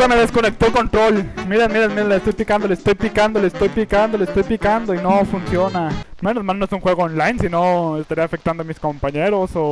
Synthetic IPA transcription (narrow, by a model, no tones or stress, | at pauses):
ameðeskonek̚t̪olko̞nt̪ɾo̞lmiɾanmiɾanmiɾanlest̪o̞jpikand̪olest̪o̞jpikand̪olest̪o̞jpikand̪o̞lest̪o̞jpikand̪oinofunsjo̞namenozmalnoesuŋxwe̞ɣoonlajnsinoest̪aɾiafek̚t̪and̪oamisko̞mpaɲeɾoso